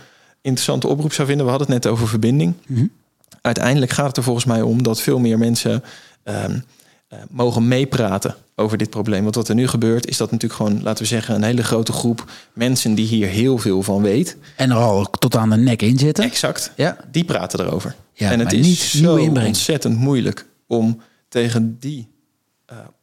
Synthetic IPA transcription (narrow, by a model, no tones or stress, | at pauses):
ɪntrəsɑ̰ntəʔɔ̰prupsɑwvɪndənʋəɦɑdənətnɛtowvəɹvəɹbɪndɪŋ | ʔœɥtɛ̰jndələkχaːtətəɹvɔlˠχən̩smɛjɔ̰mdɑtfɪːlˠmɪːɹmɛnsə | ə | mowχənmejpraːtə̰ | owvəɹdɪt̚proʊwblejmʋɑntʋɑtəɹnyχəbøːɹtɪ̰zdɑtnətyːləkχəʋonlʔa̰ːtəʋəzɛχənənɦejləχrowtəχrupmɛnsəndiɦiːɹɦɪːlˠvɪːlˠvɑnʋejt | ɛnəɹɑlˠtɔtaːndənɛkɪnzɪtəɛksɑktjd̥ipra̰ːtəda̰ːɹo̰wvə̰ɹjɛnətɪnsioɪbɛnsɛtəntmujlə̰k | ɔm | tejχəndi | ə